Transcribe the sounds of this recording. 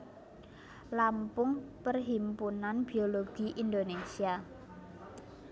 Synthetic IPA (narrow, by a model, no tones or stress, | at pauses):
lampʊŋpərɦimpunanb̥i̤oloɡ̥iʔind̪onesia